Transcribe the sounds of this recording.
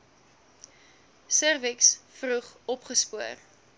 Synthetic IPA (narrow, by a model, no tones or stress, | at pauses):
sərviksfruχɔpχəspuər